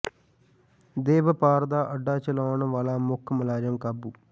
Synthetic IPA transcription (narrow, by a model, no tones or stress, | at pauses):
d̪eːʋɐpaːɾd̪aːʔɐɖːaːt͡ʃɐlaːʋɳɐʋaːlaːmʊkʰːmɐlaːɾjɐmkɐbːu